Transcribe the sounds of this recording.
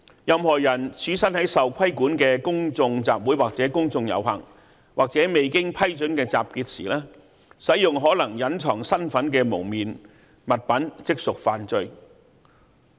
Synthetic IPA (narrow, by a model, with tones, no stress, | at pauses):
jɐ˨˧mhɔː˨˩jɐ˨˩nt͡sʰyː˨˥sɐ˥nhɐ˨˥jsɐ˨wkʷʰɐ˥jkuː˨˥nkɛː˧kʊ˥ŋt͡sʊ˧ŋt͡sa̰ː˨p̚wuː˨˥jwaː˨k̚t͡sɛː˨˥kʊ˥ŋt͡sʊ˧ŋjɐ̰˨˥wɦɐ̰˨˩ŋ | waː˨k̚t͡sɛː˨˥me˨jkɪ˥ŋpʰɐ˥jt͡ʃɵ˨˥nkɛː˧t͡sa̰ː˨p̚kiː˧t̚siː˨˩lɛː˥ | sɐ˨˥jjʊ˨ŋɦɔː˨˥lɐ˨˩ŋjɐ˨˥nt͡ʃʰɔː˨˩ŋsɐ˥nfɐ˨˥nk̬ɛː˧mo˨˩wmiː˨n | mɐ˨t̚pɐ˨˥nt͡sɪ˥k̚sʊ˨k̚faː˨nt͡sɵ˧ɥ